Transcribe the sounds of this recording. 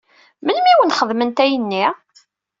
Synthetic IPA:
mənmiwənχəðˤmənt̪æjənːi

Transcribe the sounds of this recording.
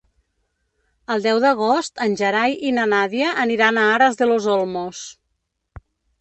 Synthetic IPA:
əlˠd̪ɛwðəɣost̪ənʲʒəɾajʔinənaðiəʔːniɾanaaɾəzðəlozolˠmos

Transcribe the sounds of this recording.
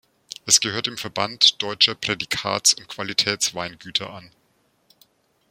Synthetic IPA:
ʔɛsɡ̥əhøːɐtɪmfɛɐbantd̥ɔʏt͡ʃɐpʁ̥edikʰa̰ːt͡sʊnt̚kv̥alitʰɛːt͡sv̥aɪnɡyːtʰɐʔan

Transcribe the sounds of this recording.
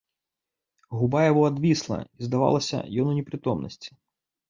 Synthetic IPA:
ɦʊbɑjɐbɔɐd̪ʋʲislˠɐ̰izd̪ɐʋɑ̰lˠɐsʲɐ̰jɔnʊnʲipɾʲit̪ɔmnɔ̰sʲtʲi̥

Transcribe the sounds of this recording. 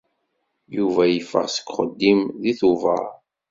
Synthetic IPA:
juvæjəfːə̰ʁsə̥kːχə̰d̪ːimðiθuvə̰ɾ

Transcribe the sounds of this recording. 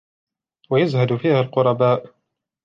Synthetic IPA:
wajazhad̪ʊfiːhaːlqʊɾˤɑbaːʔ

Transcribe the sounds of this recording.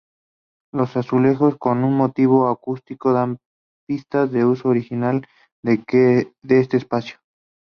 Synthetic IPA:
lo̞sasule̞xo̞sko̞nunmo̞t̪iβ̞o̞akust̪iko̞ðam | pist̪azðe̞usoːɾixinal | ded̪eest̪eːspasjo̥

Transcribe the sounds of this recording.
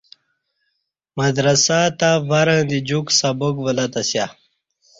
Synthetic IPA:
mɐd̪ɾɐsat̪avaɾãd̪id͡ʑuksɐbokvəlɐt̪ɐsja

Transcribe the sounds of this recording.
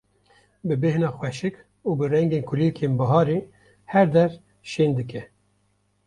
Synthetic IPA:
bɨbehnɑːxwɛʃɨk | uːbɨrɛŋɡeːnkʰʊlikʰeːnbɑɦɑːɾeː | hɛɾd̪ɛɾ | ʃeːnd̪ɨkʰɛ

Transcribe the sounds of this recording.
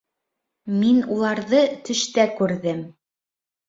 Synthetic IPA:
minulˠɑɾðɤt̪ɵ̆ʃt̪ækʉɾðɘm

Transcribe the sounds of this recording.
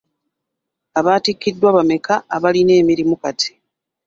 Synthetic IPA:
aβaːtikːidːwaβame̞kaːβaline̞ːmiɾimukatʰi̥

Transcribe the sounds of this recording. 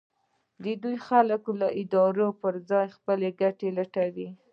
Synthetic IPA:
d̪əd̪ujxaləklaʔɪd̪ɑɾopəɾd͡zɑjxpəleɡaʈelaʈawi

